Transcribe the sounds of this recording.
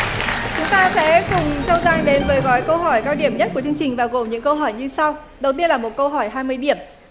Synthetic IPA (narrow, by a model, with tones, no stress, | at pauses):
t͡ɕʊ˨˦ŋ͡mt̪aː˧sɛ̰˧˥kʊ˨˩ŋ͡mt͡ɕə˧wzaː˧ŋɗe˨˦nvəː˨˦jɣɔ˨˦jkə˧wɦɔ˧˩jkaː˧wɗi˧˩əmɲə˦˥t̚ku˧˩t͡ɕɨ˧əŋt͡ɕï˨˩ŋ̟vaː˨˩ɣo˨˩mɲɨ̰˧˥ŋkə˧wɦɔ˧˩jɲɨ˧sa˧w | ɗə˨˩wt̪i˧ənlaː˨˩mo˨˩t̚kə˧wɦɔ˧˩jɦaː˧jmɨ˧əjɗi˧˩əm